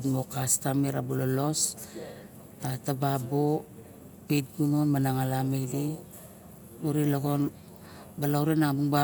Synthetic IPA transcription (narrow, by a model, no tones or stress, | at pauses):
tmokastamiɾabulolo̞s | atababo | pit̚ɡunonmanaŋalamedi | uɾiloɡon | balawɾenaŋbuŋba